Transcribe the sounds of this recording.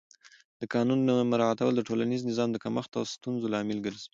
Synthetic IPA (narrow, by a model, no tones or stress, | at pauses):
d̪əkɑnunːəmaɾɑat̪awəld̪əʈolaniznɪzɑmd̪əkaməxt̪awst̪unzolɑmɪlɡəɾz